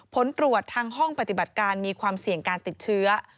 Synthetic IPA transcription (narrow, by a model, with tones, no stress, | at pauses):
pʰo˩˦nt̪ɾu˨˩ət̪ʰːaː˧ŋɦɔ˥˩ŋpa˧˩t̪i˨˩ba˨˩t̪̚kaː˧nmiː˧kʰwaː˧msi˨˩əŋkaː˧nt̪i˨˩t̪̚t͡ɕʰɯ˦˥ɐ